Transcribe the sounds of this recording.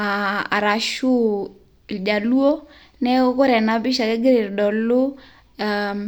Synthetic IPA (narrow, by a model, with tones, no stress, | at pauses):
a˨a˨ɾa˨ʃu˦˨ | ld͡ʒa˨lu˦o˦ | nɛ˦kʊ˦ɾɛ˨na˦bɪ˦ʃa˨kɛ˦ɡɪ˦ɾɪ˨ɾdɔ˨lʊ˦ | a